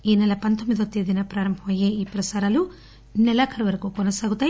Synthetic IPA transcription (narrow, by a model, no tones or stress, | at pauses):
inɐlɐpɐnt̪omiðot̪ːiðinɐpɾaːɾɐmbʱɐmajeipɾɐsaɾalu | nelakʰɐɾʋɐɾkokonɐsaɣut̪a